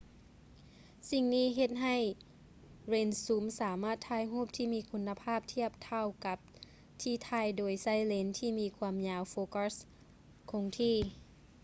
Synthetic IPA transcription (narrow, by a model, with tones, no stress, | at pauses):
si˧ŋniː˧˥˨ɦe˧t̪̚ɦa˧˩j | ɾeː˧nsuː˧˦msaː˨˩˦maː˧˥˩t̪ʰːaː˧˨jɦuː˥˩p̚t̪ʰiː˧˥˩miː˧˥kʰu˧nːa˧pʰaː˥˩˨p̚t̪ʰi˥˩əp̚t̪ʰa˧˩wka˧˦p̚ | t̪ʰiː˧˩t̪ʰaː˧˩jdoː˨˩˦jsa˧˥˩jle˧˦nt̪ʰiː˧˩miː˧kʰwaː˧mɲaː˧wfoː˧ka˧˩s | kʰo˧ŋt̪ʰiː˧˩